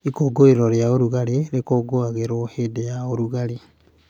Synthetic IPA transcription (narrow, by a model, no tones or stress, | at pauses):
ikoɡoeɾɔɾejaoɾuɣaɾeɾekoɡoaɣeɾohedejaoɾuɣaɾe